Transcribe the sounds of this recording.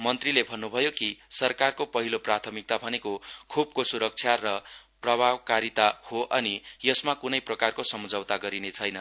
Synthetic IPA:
mʌnt̪rilebʱʌnːubʱʌjokisʌrkarkopʌɦiloprat̪ʰʌmik̚t̪abʱʌnekokʰub̚kosuɾʌk̚t͡sʰjarʌprʌbʱabkaɾit̪ahoʔʌnijʌsmakunʌjprʌkarkosʌmud͡zʱʌwt̪aɡʌɾinet͡sʰʌjnʌ

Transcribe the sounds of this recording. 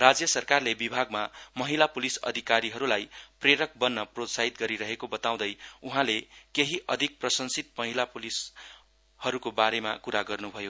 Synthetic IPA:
rad͡zjʌsʌrkarlebibʱaɡmamʌɦilapulisʌ̰d̪ʱikaɾiɦʌɾulajpreɾʌk̚bʌnːʌprot̪saɦit̪ɡʌɾiɾʌɦekobʌt̪aw̃d̪ʌjuɦãlekeɦiʔʌd̪ʱik̚prʌsʌnsit̪̚mʌɦilapulis | hʌɾukobaɾema̰kuɾaɡʌrnubʱʌjo

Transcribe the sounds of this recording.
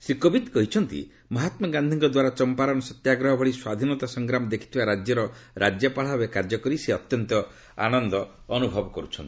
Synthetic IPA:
sikɔbit̪kɔɦit͡ʃʰɔnt̪ḭ | mɔɦat̪mɔɡand̪ʱiŋkɔd̪waɾat͡ʃɔmpaɾɔnɔsɔt̪jaɡɾɔɦɔbʱɔɭiswad̪ʱinɔt̪asɔŋɡɾamɔd̪ekʰi̥t̪ʰibaɾad͡ʒjɔɾɔɾad͡ʒjɔpaɭ̤abekaɾd͡ʒɔkɔɾiseɔt̪jɔnt̪ɔ | a̰nɔnd̪ɔː | nubʱɔbɔkɔɾut͡ʃʰɔnt̪i

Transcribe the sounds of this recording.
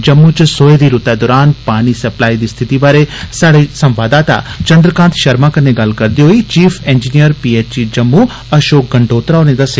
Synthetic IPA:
d͡ʒɐmːut͡ʃsoːed̪iɾut̪ad̪ɔːɾaːnpaːɽ̃isɐplaːid̪iːst̪ʰɪt̪ibaːɾesaːɽisɐ̃mʋaːd̪aːt̪a̰t͡ʃɐ̃nd̪ɾəkãːnt̪ʰʃɐɾmakɐneɡaːl̤kɐɾd̪iɦoit͡ʃiːfʰẽːnd͡ʒinijəɾpiːeːt͡ʃid͡ʒɐmːu | ɐʃoːk̚ɡɐ̃ɳɖoːt̪ɾaoːñẽd̪ɐse

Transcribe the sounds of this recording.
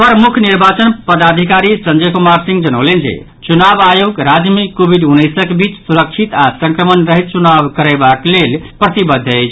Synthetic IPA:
pəɾmukʰniɾbat͡ʃənpəd̪ad̪ʱikaɾisənd͡ʒəkumaɾsĩŋɡd͡ʒənəwlend͡ʒḛ | t͡ʃunabajoɡɾad͡ʒmikobʱiɖunːəjsəkbʱit͡ʃsuɾəkt͡ʃʰit̪asə̃ŋkɾəmənɾəɦit̪̚t͡ʃunabkəɾəbaklelpɾət̪ibəd̪ʱːəjt͡ʃʰ

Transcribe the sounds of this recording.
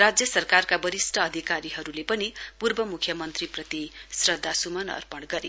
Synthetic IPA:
rad͡zjʌsʌrkarkabʌɾisʈʰʌːd̪ʱikaɾiɦʌɾulepʌnipurbʌmukʰːjʌmʌnt̪riprʌt̪isrʌd̪ʱːasumʌnʌ̰rpʌɳɡʌɾi

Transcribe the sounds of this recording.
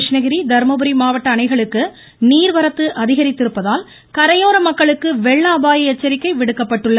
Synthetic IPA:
ʂnɐɣɪɾid̪ɐɾmɐbɯɾimaːʋɐʈːɐːnɐɪɣɐɭɯkːɯ | niːɾʋɐɾɐt̪ːɯʔɐðɪɣɐɾɪt̪ːɪɾɯpːɐðaːl | kɐɾɐjoːɾɐmɐkːɐɭɯkːɯʋɛɭːaːbaːjɐɛt͡ʃːɐɾɪkːɐɪʋɪɽɯkːɐpːɐʈːɯɭːɐ

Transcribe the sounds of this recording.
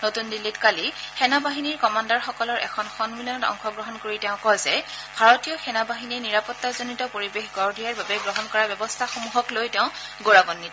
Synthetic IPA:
notundilːitkalixɛnabaɦiniɹkɔmandaɹxɔkɔlɔɹʔɛ̰kʰɔnxɔnmilɔnɔtɔ̰ŋxɔɡɹɔɦɔnkoɹitɛʊ̃kɔjzɛbʱaɹɔtijɔxɛnabaɦiniɹniɹapɔtːazonitɔpoɹibexɡɔɹdʱijaɹbabɛɡɹɔɦɔnkɔɹabjɔbɔstʰaxomuɦɔklojtɛʊ̃ɡoɹaɡɔnːit

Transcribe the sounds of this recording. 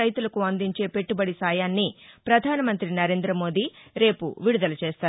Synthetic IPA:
ɐjt̪ulɐkuɐnd̪iɲt͡ʃe̞ːpe̞ʈːubɐɽisaːjaːnːipɾɐd̪ʱaːnɐmɐnt̪ɾinɐɾe̞ːnd̪ɾɐmo̞ːd̪iɾe̞ːpṵʋiɽud̪ɐlɐt͡ʃeːst̪aː

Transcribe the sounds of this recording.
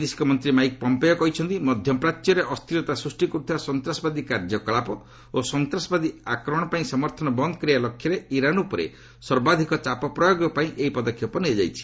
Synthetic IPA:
d̪isi̥kɔmɔnt̪ɾimajk̚pɔmpejɔkɔɦit͡ʃʰɔnt̪imɔd̪ʱjɔpɾatːjɔɾeʔɔst̪ʰiɾɔt̪asɾusʈikɔɾut̪ʰiasɔnt̪ɾasɔbad̪ikaɾd͡ʒɔkɔɭapɔ | osɔnt̪ɾasɔbad̪iakɾɔɽ̃ɔpaĩsɔmɔɾt̪ʰɔnɔbɔnd̪ɔkɾijalɔkʰːjɔɾeiɾanupɔɾḛ | sɔɾbad̪ʱikɔt͡ʃapɔpɾɔjoɡɔpaĩʔeipɔd̪ɔkʰːjɔpɔniɛd͡ʒa̰jt͡ʃʰi̥

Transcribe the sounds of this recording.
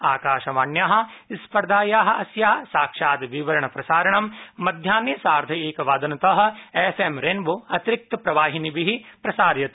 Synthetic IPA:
aːkaːʃɐʋaːɳjaːɦɐ̆ispɐɾd̪aːjaːɦɐ̆ʔɐsjaːsaːkʂaːd̪ʋiʋɐɾɐɳɐpɾɐsaːɾɐɳɐmːɐd̪ʱjaːnjɐsaːɾd̪ʱɐeːkɐʋaːd̪ɐnɐt̪ɐɦɐ̆efʰemɾenʋoɐt̪ɾik̚t̪ɐpɾɐʋaːɦinibiɦipɾɐsaːɾjɐt̪

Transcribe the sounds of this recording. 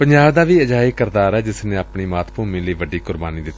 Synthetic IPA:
pəɲd͡ʒaːbd̪aːʋiːəd͡ʒaːiːkəɾd̪aːɾɛːd͡ʒɪsnẽːapɳiːmaːt̪ʰpuːmĩːləːʋəɖiːkʊɾbaːniːd̪ɪt̪ːiː

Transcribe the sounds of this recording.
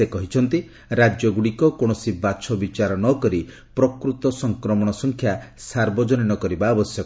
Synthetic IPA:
ekɔɦit͡ʃʰɔnt̪i | ɾad͡ʒjɔɡuɽikɔkoɽ̃ɔsibat͡ʃʰɔbit͡ʃaɾɔnɔkɔɾi | pɾɔkɾut̪ɔsɔŋkɾɔmɔɽ̃ɔsɔŋkʰjasaɾbɔd͡ʒɔninɔkɔɾibaːbɔsjɔk

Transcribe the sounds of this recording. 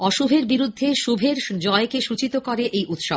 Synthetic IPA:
ɔʃubʱeɾbiɾud̪ʱːeʃubʱeɾd͡ʑɔekeʃut͡ɕit̪okɔɾeʔejʔut̪ʃob

